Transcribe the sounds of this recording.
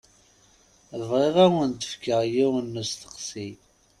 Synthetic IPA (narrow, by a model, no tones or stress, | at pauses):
ðəvʁeʁawənt̪ə̥fkəʁjiwənːəst̪ə̥qsi